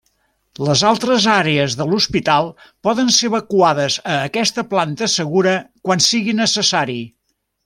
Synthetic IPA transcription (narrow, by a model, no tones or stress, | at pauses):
ləzalˠt̪ɾəzaɾeəzðəluspit̪alˠpɔðənseəβəkuaðəzəːkɛst̪əplant̪əsəɣuɾəkwansiɣinəsəsaɾi